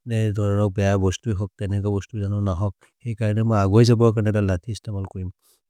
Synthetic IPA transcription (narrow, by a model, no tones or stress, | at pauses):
dɛdʱɔɹɔnɔk̚bɛjabɔstujɦɔk̚tɛnɛkɔbɔstuzanɔnaɦɔk̚ | xɛjkaɹɔnɛmɔjaɡɔjzabɔɹkaɹnɛdalatʰistamalkɔɹim